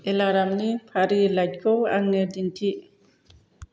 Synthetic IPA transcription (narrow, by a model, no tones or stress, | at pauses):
ʔɛlaɾamnipʰaɾilad͡ʒ̚kʰɔwa̰ŋːɛdintʰiʔ